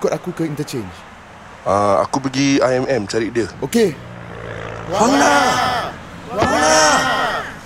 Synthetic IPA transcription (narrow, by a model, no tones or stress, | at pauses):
kɔtakukəintət͡ʃẽnd͡ʒ | aa̰kup̬əɡiaɛmɛmt͡ʃaɾidəoke | ana | na